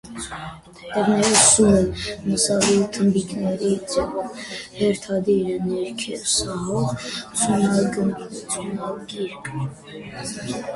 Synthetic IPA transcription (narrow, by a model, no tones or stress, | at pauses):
t̪ɛvnɛɾɛvsuɦəməsɑvit̪ʰəmbiknɛɾit͡sɛvɔhɛɾt̪ʰɑd̪iɾɛnɛɾkʰɛlsɑɦɔʁt͡sʰunɑɡənt͡sunɑlɡiɾkʰə